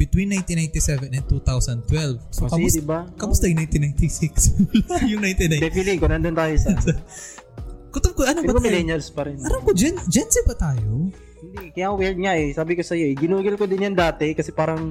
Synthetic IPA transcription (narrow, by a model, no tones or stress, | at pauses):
b̥ɪt̪winːajnt̪inajnt̪isɛvɛnɛnt̪ut̪awsɐnd̪̚t̪wɛlvsokɐmʊsdɪbakɐmʊst̪ɐjʊŋnajnt̪inːajnt̪isɪksljʊŋnajnt̪iajd̪ɛfliŋkonɐnd̪ont̪aːjos | kʊt̪okoʔɐnobɐajlɛɲɐlspɐɾɛnɐɾamkod͡ʒɛnd͡ʒɛnsɛbɐt̪aːjo | hɪnd̪ɛkɐjaʔɐwɛɹd̪̚ŋaʔɛsaːbɪkosɐjoʔɛɡɪnuːɡɪlkod̪ɪnjɐnd̪aːt̪ɛkɐsɛpaːɾɐŋ